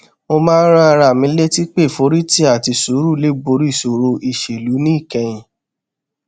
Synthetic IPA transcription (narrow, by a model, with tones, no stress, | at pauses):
mo˧mãː˦n̩˦ɾã˦a˧ɾa˦˨mĩ˨˦le˦ti˦k͡pe˦˨fo˨˦ɾi˦ti˦a˦˨ti˧so˨˦ɾu˦le˨˦ɡ͡bo˧˦ɾi˦˨so˨ɾo˧ʔi˦˨ʃe˨lu˨˦nĩ˦i˦˨kɛ̃˧j̃ĩ˨